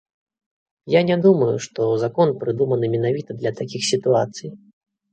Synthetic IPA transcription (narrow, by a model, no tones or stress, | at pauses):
janʲɛd̪umɐjuʂt̪ɔzakɔnpɾɨd̪umɐnɨmʲɛnavʲit̪ɐd̪lʲɐt̪akʲixsʲit̪uat̪sɨj